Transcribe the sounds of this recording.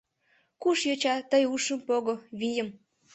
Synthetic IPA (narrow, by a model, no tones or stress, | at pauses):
kuʃjot͡ɕɑt̪əjuʃəmpoɣoβijəm